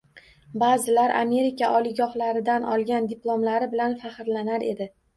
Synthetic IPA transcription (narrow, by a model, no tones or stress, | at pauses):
bazɪlaɾʔa̰me̞ɾɪkʲʰaʔɒlɪɡɒχlaɾɪd̪anʔɒlˠɡʲand̪ɪplˠomlaɾɪbɪlanfaχɨɾlanaɾʔe̞̰d̪ɪ